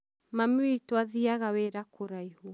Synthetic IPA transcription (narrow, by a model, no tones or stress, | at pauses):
mamiitwaðiaɣaweɾakʰoɾaihu